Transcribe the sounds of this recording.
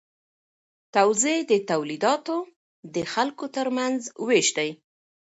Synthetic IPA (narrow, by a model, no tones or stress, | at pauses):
t̪awzed̪ət̪awlid̪ɑt̪o | d̪əxalkot̪əɾmanzweʃd̪aj